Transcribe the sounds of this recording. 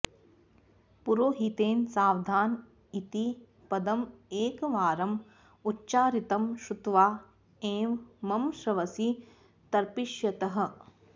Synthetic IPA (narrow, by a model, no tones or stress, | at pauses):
puɾoːɦit̪eːnsaːwd̪ʱaːn | it̪i | pɐd̪ɐmeːkɐʋaːɾɐm | utːt͡ʃaːɾit̪ɐmʃut̪ʋaː | eːʋmɐmʃɾɐʋɐsi | t̪ɐɾpiʃjɐt̪ɐɦɐ̆